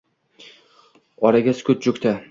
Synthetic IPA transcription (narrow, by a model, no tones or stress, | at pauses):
ɒɾaɡʲaskʰʲʊt̪̚t͡ʃʊkʲt̪ʰa